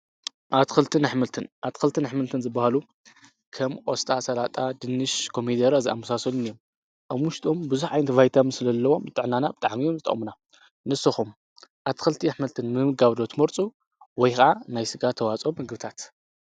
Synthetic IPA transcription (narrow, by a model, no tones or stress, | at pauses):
ʔat̪xɨlt̪ʰɨnaħmɨlt̪ʰɨnʔat̪xɨlt̪ʰɨnaħmɨlt̪ʰɨnzɨbːahalu | kʰɐmʔʼost̪ʼasɐlat̪ʼad̪ɨnːɨʃkʰo̞mid̪ɐɾaziʔa̰mːɐsasɐlunijom | ʔaβwʊʃt̪ʰʼo̞mbɨzuħʕajnɐt̪ʰvajt̪ʰamsɨlɐlːɐwo̞mzɨt̪ʼɨʕnːanabɨt̪ʼa̰ʕmijo̞mzɨt̪ʼɐ̰χʼmuna | nɨsɐxum | ʔat̪kɨlt̪ʰiaħmɨlt̪ʰɨnmɨmɨɡaβd̪o̞t̪ʰmɐɾt͡sʼu | wɔjxɐʕanajsɨɡat̪ʰːɐwat͡sʼo̞mɨɡbɨt̪ʰat̪